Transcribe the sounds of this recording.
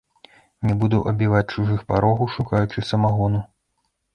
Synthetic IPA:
nʲɛbud̪uʔɐbʲivat͡sʲt͡ʂuʐɨxpaɾɔɣuʂukajut͡ʂɨsɐmaɣɔnu

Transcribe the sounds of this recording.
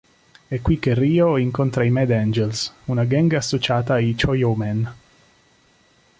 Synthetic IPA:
ɛkːwikːerːiːoiŋkont̪ɾaimɛd̪ɛnd͡ʒelsunaɡɛŋɡasːot͡ʃaːt̪ait͡ʃojomɛn

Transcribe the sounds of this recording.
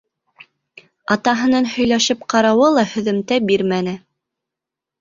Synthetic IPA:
ɑt̪ɑɦɤ̆nɤnhɵ̆jlæʃɘp̚qɑɾɑwɤlˠɑhɵ̆ðɘ̆mt̪æbiɾmænɘ

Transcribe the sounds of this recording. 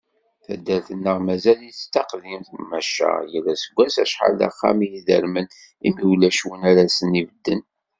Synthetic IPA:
θæd̪ːælθənːəʁmæzæljt̪ːɑqðimθmæʃːə̰ʁjəlːæsəɡʷːæsæ̰ʃħa̰lːa̰χːa̰mijiðə̰ɾmən | imiwlæʃwənæɾæsənivəd̪ːən

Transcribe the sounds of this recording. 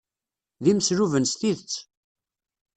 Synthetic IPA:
ðiməsɾuvənst̪iðt͡sː

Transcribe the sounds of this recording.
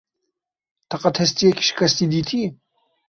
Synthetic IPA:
t̪ʰɐqət̪ʰhɐst̪ijɛkʲʰi̥ʃkʰɐst̪id̪it̪ʰi

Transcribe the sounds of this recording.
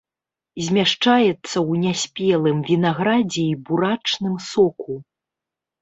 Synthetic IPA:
zʲmʲaʂt͡ʂajɛt̪sːɐwnʲasʲpʲɛlˠɨmvʲinaɣɾad͡zʲɛibuɾat͡ʂnɨmsɔku

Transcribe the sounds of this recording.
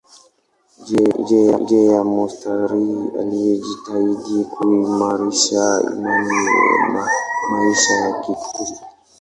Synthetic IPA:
d͡ʒɛja̰d͡ʒɛjamɔstaɾia̰lijɛd͡ʒitaidikʰuimaɾiʃaḭmani | maiʃajakiku

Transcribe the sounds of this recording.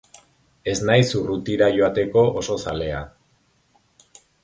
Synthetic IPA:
e̞znajsurut̪iɾaʝo̞at̪e̞ko̞ʔoso̞sale̞a̰

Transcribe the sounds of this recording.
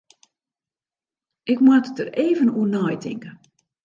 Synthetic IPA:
ʔɪkmwattəreːvənuənɔjtʰɪ̰ŋkə

